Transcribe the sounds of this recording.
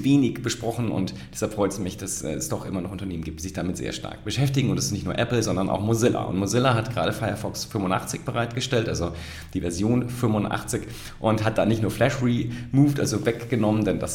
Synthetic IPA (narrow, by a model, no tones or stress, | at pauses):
veːnɪçb̥əʃpʁ̥ɔχn̩ʊ̰nt | d̥ɛshalpfʁ̥ɔʏtsumɪçd̥asʔɛ̰ːɛsd̥ɔχʔɪmɐnɔχʔʊntɐneːmənɡiːp̚tiːzɪçd̥amɪtzḛːɐʃta̰ɐk̚b̥əʃɛftɪɡŋ̩ʊntdasɪstnɪçtnuːɐʔɛpl̩zɔndɐnʔa̰ʊxmozɪla̰ʔʊ̰ntmozɪlaɦatɡ̥əʁa̰ːɾəfaɪɐfɔksfʏmʊnʔa̰χt͡sɪçb̥əʁaɪtɡ̥əʃtɛltʔalzo | d̥iːvɛɐzjoːnfʏmvʊnʔa̰χt͡sɪç | ʔʊnthat̚d̥aːnɪçtnuːɐflɛʃʁiːmuːftʔa̰lzovɛkɡ̥ənɔməndɛndas